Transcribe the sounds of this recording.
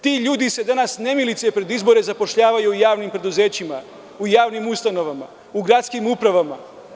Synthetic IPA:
t̪iːʎuːd̪ise̞d̪anasne̞milit̪siepɾe̞d̪izbo̞ɾe̞zapo̞ʃʎaːʋajuːjaːʋnimpɾe̞d̪uze̞ːt͡ɕima | ujaːʋnimust̪ano̞ʋama | uɡɾat̪skimupɾaʋama

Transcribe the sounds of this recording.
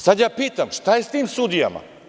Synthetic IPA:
sad̪jaːpiːt̪amʃt̪ajest̪iːmsud̪ija̰ma̰

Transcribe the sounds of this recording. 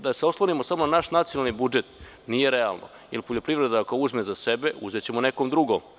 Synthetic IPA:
d̪aseoslˠonimosamonanaʃnat̪sijonalˠnibud͡ʒe̞t̪ | nije̞ɾea̰lˠno̰ | ḭlpo̞ʎopɾivɾe̞d̪aakouzmezasebe̞ṵzet͡ɕe̞monekomd̪ɾuɡom

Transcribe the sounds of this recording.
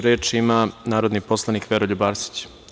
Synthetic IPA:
ɾeːt͡ʃimanaːɾo̞d̪nipo̞slˠanikʋeɾoʎubaːɾsi̥t͡ɕ

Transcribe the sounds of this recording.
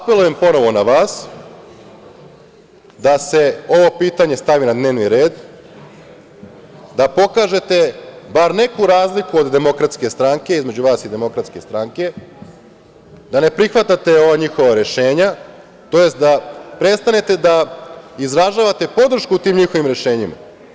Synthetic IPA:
ape̞luje̞mpo̞no̞ʋo̞naʋaːs | d̪ase̞o̞ʋo̞piːt̪aɲe̞st̪aʋinad̪ne̞ːʋniɾe̞ːd̪ | d̪apo̞kaːʒe̞t̪e̞baɾne̞kuɾaːzlikuo̞d̪d̪e̞mo̞kɾat̪ske̞st̪ɾaŋke̞izme̞d͡ʑuʋaːsid̪e̞mo̞kɾat̪ske̞st̪ɾaŋke̞ | d̪ane̞pɾixʋat̪at̪e̞o̞ʋaɲixo̞ʋaɾe̞ʃe̞ːɲa | t̪o̞je̞st̪̚d̪apɾe̞st̪ane̞t̪e̞d̪aizɾaʒaːʋat̪e̞po̞d̪ɾ̩ʃkuːt̪iːmɲixo̞ʋimɾe̞ʃe̞ːɲima̰

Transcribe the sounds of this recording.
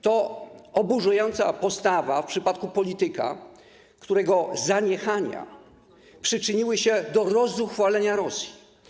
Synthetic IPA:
t̪ɔɔbuʐujɔnt̪sa̰pɔst̪avafpʂɘpat̪kupɔlʲit̪ɘka̰ | kt̪uɾɛɡɔzaɲɛxaɲa̰ | pʂɘt͡ʂɘɲiwɘɕɛd̪ɔɾɔzuxfalɛɲaɾɔsʲji

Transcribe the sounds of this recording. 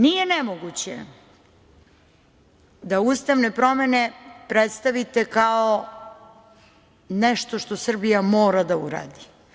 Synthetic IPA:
nije̞nemoɡut͡ɕḛ | d̪aust̪aʋnepɾo̞me̞ne̞pɾet̪st̪aʋit̪e̞kao | nɛʃt̪o̞ʃt̪o̞sr̩bijamoːɾad̪auɾa̰ːd̪i

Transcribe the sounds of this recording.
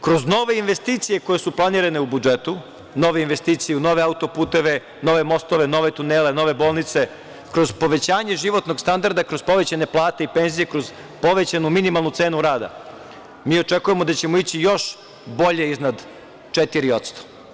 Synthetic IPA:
kɾo̞zno̞ʋe̞inʋe̞st̪iːt̪sije̞ko̞jesuplˠaniːɾane̞ubud͡ʒet̪u | no̞ʋeinʋe̞st̪iːt̪sijeuno̞ʋe̞aut̪o̞puːt̪e̞ʋe̞ | no̞ʋe̞mo̞st̪oʋe̞no̞ʋe̞t̪uneːleno̞ʋe̞bo̞ːlˠnit̪se̞ | kɾo̞zpo̞ʋe̞t͡ɕaːɲe̞ʒiʋo̞t̪no̞ɡst̪and̪aɾd̪akɾo̞z̥po̞ʋe̞t͡ɕane̞plˠaːt̪eipe̞nzije̞kɾoz | po̞ʋe̞t͡ɕanuminimalˠnut̪se̞ːnuɾaːd̪a̰ | miːo̞t͡ʂe̞kuje̞mo̞d̪at͡ɕe̞mo̞it͡ɕijo̞ʃ | bo̞ʎe̞iznad̪ | t͡ʂet̪iɾio̞t̪st̪o̥

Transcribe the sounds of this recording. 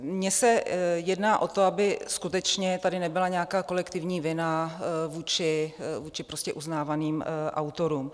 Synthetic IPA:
mɲɛsɛjɛdnaːʔo̞t̪o̞abɪskut̪ɛt͡ʃɲɛt̪adɪnɛbɪlaɲɛakaːko̞lɛkt̪ɪvɲiːvɪnavuːt͡ʃɪvuːt͡ʃɪpɾo̞scɛʔuznaːvaniːmʔa̰wt̪o̞ɾuːm

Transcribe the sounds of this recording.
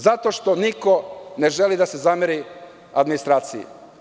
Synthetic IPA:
zat̪o̞ʃt̪oniko̞ne̞ʒe̞lid̪ase̞zameɾi | ad̪minist̪ɾaːt̪sijḭ

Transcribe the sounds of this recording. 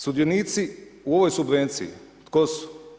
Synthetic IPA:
sud̪ioniːt̪siuo̞ʋojsubʋent̪sḭḭt̪kosu̥

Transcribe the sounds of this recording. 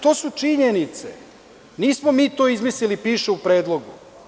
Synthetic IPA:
t̪o̞ːsut͡ʂiɲenit̪se | niːsmomiːt̪o̞izmislilipiːʃeupɾe̞ːd̪lˠoɡṵ

